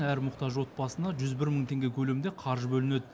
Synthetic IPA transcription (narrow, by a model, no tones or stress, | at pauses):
ŋæɾmʊqt̪ɑʒwo̞t̪̚bɑsənd̪ɑʒʏzbɪɾməɴt̪ʰe̞ŋɡʲe̞kʲʰɵle̞md̪e̞qʰɑɾʒəbɵlɪne̞d̪